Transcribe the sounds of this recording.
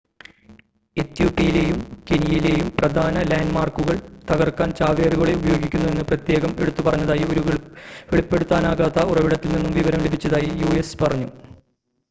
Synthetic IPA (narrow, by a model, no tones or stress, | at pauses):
et̪juːpːijilejumkenijjile̞ːjumprɐd̪ʱaːnɐlaːndmaːrkuɣɐɭt̪ɐɣɐrkːaːnt͡ɕaːʋjeːɾuɣɐɭeubɐjo̞ːɡikʲːunːue̞nːɨprɐt̪je̞ːɣɐme̞ɽut̪ːupɐrɐɲːɐðaːjio̞ɾuʋeɭipːe̞ɽut̪ːaːnaːɣaːt̪ːɐurɐʋiɽɐt̪ːilninːumʋiʋɐɾɐmlebʱit͡ɕːɐðaːjijuespɐrɐɲːu